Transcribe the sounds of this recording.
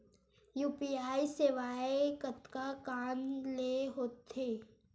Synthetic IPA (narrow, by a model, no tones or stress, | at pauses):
juːpiːaːiseʋaːekət̪kakaːnleɦoːt̪eː